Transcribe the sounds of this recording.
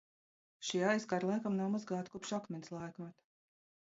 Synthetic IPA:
ʃiajskaɾlˠajkamnawmuzɡaːt̪kupʃakmʲɛnʲslˠajkmat̪

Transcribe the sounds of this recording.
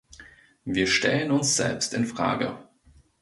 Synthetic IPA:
viːɐʃtɛlənʊnsz̥ɛ̰lpstɪnfʁ̥a̰ːɡə̰

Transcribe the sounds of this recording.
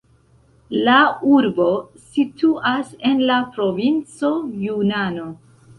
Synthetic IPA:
lauɾbo̞situʔase̞nlapɾo̞vint͡so̞junano̞

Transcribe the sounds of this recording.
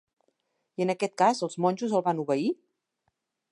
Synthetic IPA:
iənəkɛt̪̚kazəlˠzmɔnʲʒuzəlˠβanuβəi

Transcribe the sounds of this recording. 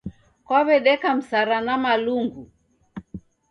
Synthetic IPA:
kwaβɛɗɛkam̩saɾanamaluŋɡu

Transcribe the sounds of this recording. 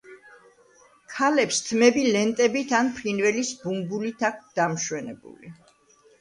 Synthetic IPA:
kʰalɛpst̪ʰmɛbilɛnt̪ʼɛbit̪ʰanpʰlinvɛlisbumbulit̪ʰak̚ʰʷt̪̚d̪̥amʃwɛnɛbṵli

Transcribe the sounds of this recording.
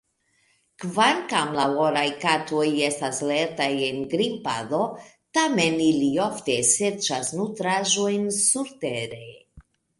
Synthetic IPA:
kvaŋkamlawoɾajkato̞je̞stasle̞ɾtaje̞nɡɾimpa̰do̞ | tameniliofte̞se̞ɾt͡ʃasnutɾaʒo̞jnsuɾteɾe̞

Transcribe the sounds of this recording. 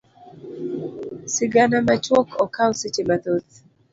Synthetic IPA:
sɪɡanamat͡ʃwɔkʰɔkawsɪt͡ʃemat̪ot̪

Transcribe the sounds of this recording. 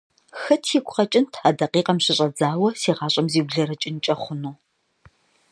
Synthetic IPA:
xɐtʰjikʷʊχɐt͡ʃʼɪntʰadɐqiːqɐmɕɪɕʼɐd͡zaːwɐsiːʁɑːɕʼɐmziːbɮɐɾɐt͡ʃʼɪnt͡ʃʼɐχʷʊnuː

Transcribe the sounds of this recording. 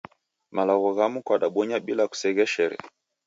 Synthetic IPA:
malaɣɔɣamukwaɗaɓɔɲaɓilaku̥sɛɣɛʃɛɾɛ̰

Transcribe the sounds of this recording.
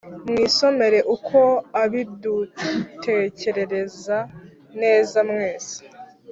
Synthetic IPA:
mŋiːso̞me̞ɾe̞ʔukʰo̞aβidutʰe̞ce̞ɾe̞ɾe̞za | ne̞ːzamŋe̞ːz̥ḁ

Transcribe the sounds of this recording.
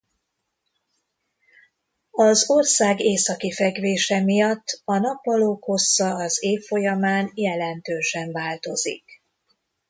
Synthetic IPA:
ɒzo̞rsaːɡeːsɒkifɛɡʋeːʃɛmijɒt̪ːɒnɒpːɒloːkho̞sːɒɒzeːfːo̞jɒmaːnjɛlɛnt̪øːʃɛɱvaːlt̪o̞zḭk

